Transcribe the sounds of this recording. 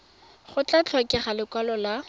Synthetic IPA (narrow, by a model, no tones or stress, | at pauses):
χʊt͡ɬʼat͡ɬʰɔkɛχalɪkwalɔla